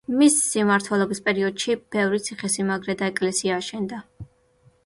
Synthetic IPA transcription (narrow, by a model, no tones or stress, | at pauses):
misːimaɾt̪ʰwɛlˠɔbispʼɛɾiɔd̪̥ʃib̥ɛvɾit̪sʰiχɛsimaɡɾɛd̪aɛkʼlɛsiaːʃɛnd̪a